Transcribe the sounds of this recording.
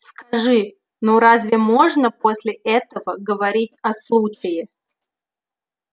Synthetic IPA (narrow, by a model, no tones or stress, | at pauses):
skɐʐɨ | noɾazʲvʲɪmo̞ʐnəposʲlʲɪʔɛt̪əvəɡəvɐɾʲitʲɐslˠut͡ɕɪjɪ